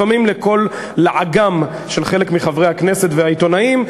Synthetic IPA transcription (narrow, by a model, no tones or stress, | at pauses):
amimleko̞lː | aʕaɡam | ʃe̞lχe̞lekmiχavʁejhakne̞se̞t̪veait̪o̞naim